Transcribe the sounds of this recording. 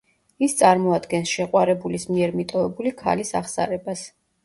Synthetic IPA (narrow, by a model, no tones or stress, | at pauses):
ist̪sʼaɾmɔad̪ɡɛnsʃɛqʼwaɾɛbulismiɛɾmit̪ʼɔvɛbulikʰa̰lisa̰χsa̰ɾɛbas